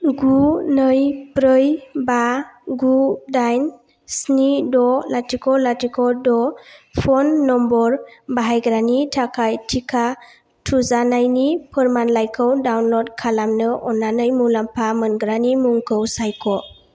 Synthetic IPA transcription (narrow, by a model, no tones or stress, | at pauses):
ɡunɯjpɾɯjbaɡudajn | snidɔlatʰikʰɔlatikʰɔdɔpʰɔnːɔmbɔɾbaɦajɡɾanitʰakʰajtʰikʰa | tʰuzanajnipʰəɾmanlajkʰəwdawnlɔd̚kʰalamnɯʔɔnːanɯjmulampʰamɯnɡɾanimuŋkʰɯwsajkʰɔ